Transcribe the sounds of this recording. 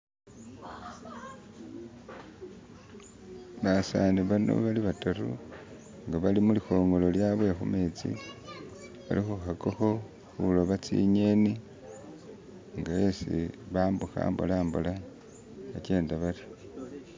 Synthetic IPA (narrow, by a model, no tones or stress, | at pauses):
βasa̰ːndiβano̰βaliβataɾṵ | ŋɡaβalimulixo̞ːŋɡo̞lo̞ljaβwe̞xumet͡sḭ | βa̰lixuxakoxo̞ | xuloβat͡sḭɲeni | ŋɡaesḭβaːmbuxa̰ːmbṵlaːmbṵla | at͡ʃe̞ːndaβali̥